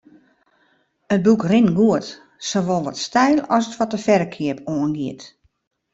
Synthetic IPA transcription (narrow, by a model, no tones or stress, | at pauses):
ət̚bukrɪnɡuət | soʋɔlˠʋɔtstɛjlˠɔsətfɔtəfɛrəkʰiəpoənɡiət